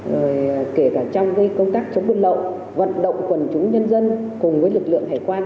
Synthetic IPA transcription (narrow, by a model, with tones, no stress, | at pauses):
zo˨˩jke˧˩kaː˧˩t͡ɕɔ˧wŋ͡mka˨˦jkə˧wŋ͡mt̪aː˦˥k̚t͡ɕə˨˦ŋ͡mɓə˧n̚ɗə̰˧˨w | və̰˧˨nɗə̰˧˨wŋ͡mkwə˨˩nt͡ɕʊ˨˦ŋ͡mɲə˧nzə˧nkʊ˨˩ŋ͡mvəː˨˦jlɨ˨˩k̚lɨ̰˧˨əŋt̪ʰaː˨˩jkwaː˧